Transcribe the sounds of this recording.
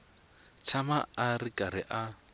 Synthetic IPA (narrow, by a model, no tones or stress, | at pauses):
t͡sʰamaarikʼaɾɪʔa